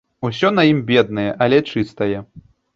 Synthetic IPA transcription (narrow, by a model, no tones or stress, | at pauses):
usʲɔnɐjimbʲɛd̪̚nɐjɛʔɐlʲɛt͡ʂɨst̪ɐjɛ